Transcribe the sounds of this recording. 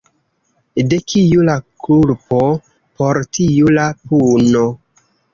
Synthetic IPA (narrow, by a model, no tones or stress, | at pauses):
dekʰijulakʰulpo | poɾtijulapuno